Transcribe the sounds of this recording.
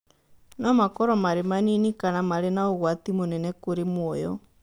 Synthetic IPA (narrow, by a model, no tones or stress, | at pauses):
nɔmakɔɾɔmaɾemaninikanamaɾenaoɣwat̪imonɛnɛkoɾemwɔjɔ̰